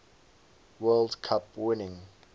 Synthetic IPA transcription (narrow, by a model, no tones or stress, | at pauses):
wɛldkʰapwɪnɪ̃ŋ